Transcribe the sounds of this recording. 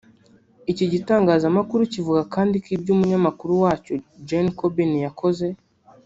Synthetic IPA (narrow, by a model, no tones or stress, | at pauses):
iciɟitaːŋɡaːzamakuɾucivuɡakʰaːndikibɟuːmuɲamakuɾuwaːcod͡ʒenkobinjako̞ze̞